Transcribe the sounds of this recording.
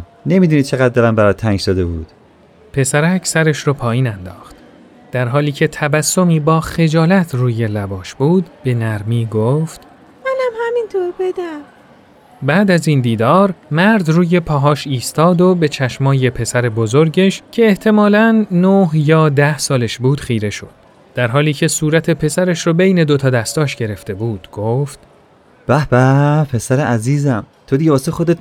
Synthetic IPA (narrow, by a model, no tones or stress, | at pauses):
ne̞miːd̪unid̪̚t͡ʃʰeɣæd̪̚d̪elæmbæɾɒːt̪̚ʰːæŋɡsɒd̪ebṵːd̪̥ | pʰe̞sæɾæcʰsæɾeʃɾɔːpʰɒːjiːnænd̪ɒ̰ːχt̪ | d̪̥æɾɦɒːliːcʰe̞t̪ʰæbæsːo̞miːbɒːxe̞d͡ʒɒːlæt̪ʰruːje̞læbɒːʃbuːd̪b̥e̞næɾmiːɡoft̪ | mænæmhæmint̪ʰoːɾbed̪æm | bæːd̪æzind̪iːd̪ɒːɾmæɾd̪ruːje̞pʰɒːɦɒːʃiːst̪ɒːd̪o̞be̞t͡ʃʰæʃmɒːje̞pʰe̞sæɾe̞bozo̞ɾɟe̞ʃcʰeːht̪ʰe̞mɒːlænːohjɒːd̪æhsɒːleʃbuːd̪̥χiːɾe̞ʃo̞̰d̪̥ː | æɾɦɒːliːcʰe̞suːɾæt̪ʰe̞pʰe̞sæɾeʃɾɔbe̞jne̞d̪ot̪ʰɒːd̪æst̪ɒːʃɟe̞ɾe̞ft̪e̞buːd̪̥ɡ̥oːft̪ | b̥æhbæpʰe̞sæɾeæziːzæmt̪ʰod̪iɡebɒːsexod̪et̪